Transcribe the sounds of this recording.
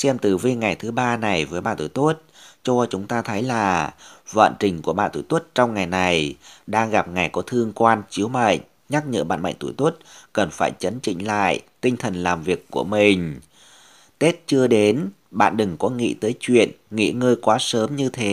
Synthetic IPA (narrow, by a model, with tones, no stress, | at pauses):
sɛ˧mt̪ɨ˨˩vi˧ŋa˨˩jt̪ʰɨ˨˦ɓaː˧na˨˩jvəː˨˦jɓa̰ː˧˨nt̪ṵ˧˩t̪u˦˥t̚t͡ɕɔ˧t͡ɕʊ˨˦ŋ͡mt̪aː˧t̪ʰə˨˦jlaː˨˩və̰ː˧˨nt͡ɕï˨˩ŋ̟ku˧˩əɓa̰ː˧˨nt̪ṵ˧˩t̪t̚t͡ɕɔ˧wŋ͡mŋa˨˩jna˨˩jɗaː˧ŋɣa˨˩p̚ŋa˨˩jkɔ˨˦t̪ʰɨ˧əŋkwaː˧nt͡ɕi˨˦əwma̰˧˨ŋ̟ | ɲa˦˥k̚ɲə̰ː˧˥˩ɓa̰ː˧˨nma̰˧˨ŋt̪ṵ˧˩jt̪u˦˥t̚kə˨˩nfaː˧˩jt͡ɕə˨˦nt͡ɕḭ˧˨ŋ̟la̰ː˧˨jt̪i˧ŋt̪ʰə˨˩nlaː˨˩mvi˨˩əkːu˧˩əmï˨˩ŋ̟ | t̪e˦˥t̚t͡ɕɨ˧əɗe˨˦n | ɓa̰ː˧˨nɗɨ˨˩ŋkɔ˨˦ŋḭ˧˨t̪əː˨˦jt͡ɕwḭ˧˨ənŋḭ˧˨ŋəː˧jkwaː˨˦səː˨˦mɲɨ˧t̪ʰe˨˦